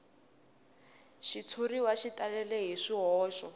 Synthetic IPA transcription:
ʃit͡sʰuɾiwaʃitalɛlɛɦiʂiɦɔːʃɔ

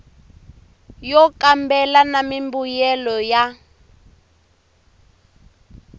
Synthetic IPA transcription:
jɔkambɛlanamimbujɛlɔja

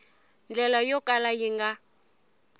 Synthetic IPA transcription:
nd͡ɮɛlajɔkʼalajiŋɡa

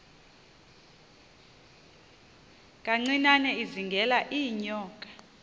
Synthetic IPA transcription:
kʼaŋ͡ǀinanɛiziŋɡʱɛlaʔijɲɔːkʼḁ

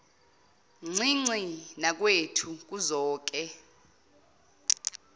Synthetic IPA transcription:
ŋ͡ǀiŋ͡ǀinak̬wetʰuk̬uzɔːk̬ɛ

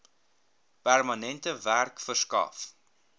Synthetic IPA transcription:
pærmɐnɛntəværkfərskɐ̰f

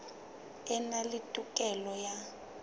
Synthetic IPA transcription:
ɛnalitʼukʼɛlɔja

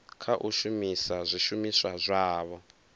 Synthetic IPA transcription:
kʰaʔuʃumisazʷiʃumiswazʷaːβɔ

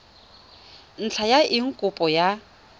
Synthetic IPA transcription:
n̩t͡ɬʰajaʔɪŋ̩kʼʊpʼɔja

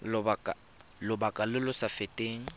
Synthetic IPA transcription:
a | lʊbakʼalɪlʊsafetʼeːŋ̩

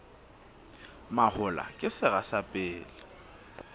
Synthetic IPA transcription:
mahʊla̰kʼɪsɪɣasapʼɪːlɪ

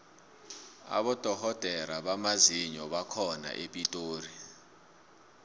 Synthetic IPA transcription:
a̰ɓɔd̥ʱɔhɔd̥ʱɛɾaɓamaziɲɔɓakʰɔna̰ʔepʼitʼoːri

